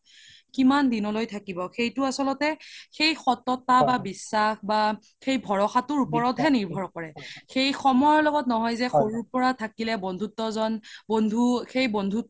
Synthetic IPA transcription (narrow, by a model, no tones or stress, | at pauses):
kimandinɔlojtʰakibɔxejtʊasɔlɔtɛxejxɔtɔtababisːaxba | xejbʱɔɹɔxatʊɹupɔɹɔtɦɛniɹbʱɔɹkɔɹɛxejxɔmɔjɔlɔɡɔtnɔɦɔjzɛxoɹuɹpɔɹatʰakilɛbɔndʱutːɔzɔnbondʱuxejbɔndʱu